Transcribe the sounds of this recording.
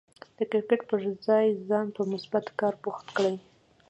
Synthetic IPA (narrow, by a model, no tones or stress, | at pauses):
d̪̥əkɪɾkaʈpəʒzɑjzɑnpəmʊsbat̪kɑɾbuxt̪kɽaj